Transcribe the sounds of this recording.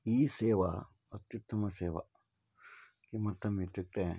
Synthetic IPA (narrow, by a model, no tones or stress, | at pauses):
iːseːʋa̰ | ɐt̪jut̪ʰːɐmɐseːʋa̰ | kimɐt̪ʰːɐmit̪ɪk̚ʈ̪ḛ̃